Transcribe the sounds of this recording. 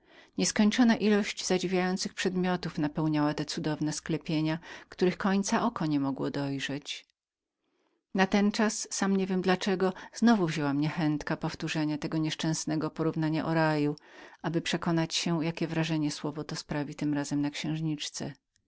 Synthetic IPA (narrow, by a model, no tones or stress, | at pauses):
ɲɛskɔɲt͡ʂɔnaʔilɔɕd͡ʑzad͡ʑivʲjajɔnt̪sɘxpʂɛd̪mʲjɔt̪ufnapɛwɲawat̪ɛt̪sud̪ɔvnɛsklɛpʲjeɲakt̪uɾɘɨxkɔɲt̪saʔɔkɔɲɛmɔɡwɔd̪ɔjʐɛt͡ɕ | nat̪ɛnt͡ʂasːamɲevʲjɛmd̪lat͡ʂɛɡɔz̥nɔvuvʑɛwamɲɛxɛnt̪kapɔft̪uʐɛɲat̪ɛɡɔɲɛʂt͡ʂɛ̃w̃snɛɡɔpɔɾuvnaɲa̰ʔɔɾajuʔabɘpʂɛkɔnat͡ɕɕɛjakʲɛvɾaʐɛɲɛswɔvɔt̪ɔspɾavʲit̪ɘmɾazɛmnakɕɛ̃w̃ʐɲit͡ʂt̪sɛ̰